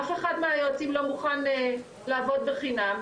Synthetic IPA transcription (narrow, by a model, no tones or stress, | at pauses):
afeχadmeajoat͡simlo̞muχan | laːvo̞d̚beχinam